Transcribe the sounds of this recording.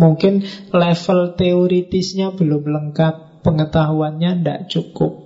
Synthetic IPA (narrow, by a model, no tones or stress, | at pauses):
muŋkɪnlɛfəlt̪eoɾit̪ɪsɲabəlʊmləŋkat̪̚ | pəŋət̪aɦuanɲanda̰ʔt͡ʃukʊp̚